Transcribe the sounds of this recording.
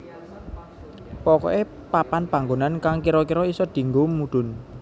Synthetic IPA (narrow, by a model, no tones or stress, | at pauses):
pɔkɔ̰ʔe | papanpaŋɡonankaŋkiɾɔkiɾɔisɔd̪̥i̤ŋɡomuɖ̪̥ʊ̤n